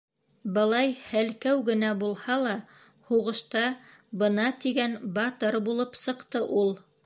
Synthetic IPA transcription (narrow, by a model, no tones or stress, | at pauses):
bɤ̆lˠɑjhælkæwɡɘ̆næbulˠhɑlˠɑ | huʁɤ̆ʃt̪ɑ | bɤ̆nɑt̪iɡænbɑt̪ɤɾbulˠɤpsɤ̆qt̪ɤʔulˠ